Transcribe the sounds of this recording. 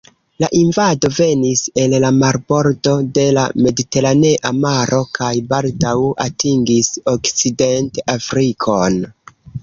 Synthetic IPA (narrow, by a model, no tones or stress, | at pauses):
laʔinvado̞ve̞nise̞llamaɾbo̞ɾdo̞de̞la̰me̞dite̞ɾane̞ʔamaɾʔo̞kʰajbaldawa̰tiŋɡiso̞kt͡side̞ntafɾikʰo̞n